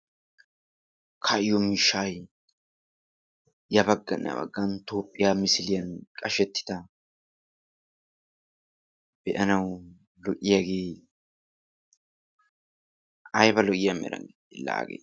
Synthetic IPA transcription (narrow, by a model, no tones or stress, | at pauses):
kʰɐʔɪjɔmiːʃːaːj | jɐbɐɡːɐnjɐ̰bɐ̰ɡːɐnt̪oːpʼːɪjaːmɪsɪlɪjɐnkʼɐʃɛt̪ːɪ̥t̪ɐ | b̥ɛʔɐnɐw | lɔʔɪjaɡeː | ɐjbɐlɔʔɪjɐmɛ̰ɾɐ̰ŋɡɪ | ɪlːa̰ːɡḛː